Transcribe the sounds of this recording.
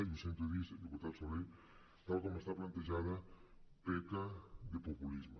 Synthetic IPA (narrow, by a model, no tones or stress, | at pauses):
ðusẽnt̪oeðised̪ekut̪aɾsoβej | t̪alkomoest̪aplant̪eʒaðɐpekaðepopulizma